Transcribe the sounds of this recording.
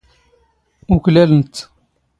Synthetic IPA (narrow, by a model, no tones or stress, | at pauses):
ʊklælənt̪